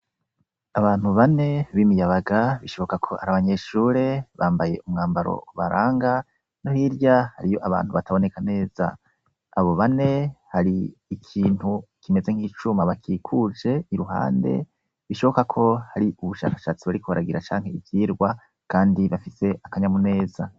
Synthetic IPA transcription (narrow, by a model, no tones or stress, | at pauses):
aβaːn̥huβane̞βimijaβaɡaβiʃo̞βo̞kakʰo̞ha̰ɾaβaɲe̞ʃuːɾe̞βaːmbaje̞̰ʔumŋaːmbaɾo̞̰βaɾaːŋɡa | nohiɾɟahaɾijo̞ʔaβa̰ːn̥huβataβo̞ne̞kane̞ːz̥a̰ː | βo̞βane̞haɾiːkʰiːn̥hukime̞zeŋ̥hiːt͡ʃumaβakʰiːkʰud͡ʒe̞iɾuɦa̰ːnde̞̰ | βiʃo̞βokakʰo̞haɾiʔuβuʃa̰ːkḁʃat͡siβaɾikuβa̰ɾaɡiɾat͡ʃa̰ːŋ̥he̞ivjiːɾɡwa | kaːndiβafise̞ʔakaɲamune̞ːza